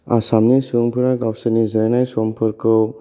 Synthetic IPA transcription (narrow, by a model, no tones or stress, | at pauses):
a̰samnisuŋpʰɯɾaɡawsɯnizaɾanajsɔmpʰɯɾkʰɯw